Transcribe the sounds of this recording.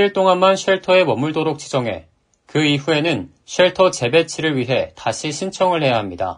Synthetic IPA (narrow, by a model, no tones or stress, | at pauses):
iɭt͈oŋanmanɕʰɥeɭtʰʌe̞mʌmuɭdoɾok̚t͡ɕ͈i̥d͡ʑʌŋɦe̞̰ | kɯiɸue̞nɯn | ɕʰɥeɭtʰʌt͡ɕe̞be̞t͡ɕʰiɾɯɭɥiɦe̞taɕʰiɕʰint͡ɕʰʌŋɯɭhe̞jaɦamɲida̰